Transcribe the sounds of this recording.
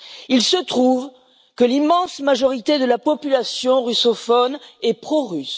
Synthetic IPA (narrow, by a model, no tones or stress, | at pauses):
ilsət̪χuv | kəlimɑ̃smaʒɔʁit̪ed̪əlapɔpylasjɔ̃ʁysɔfɔnɛpχoʁys